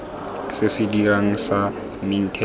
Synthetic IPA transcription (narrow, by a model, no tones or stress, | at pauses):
sɪsɪdiraŋ̩sa | min̩tʰɛ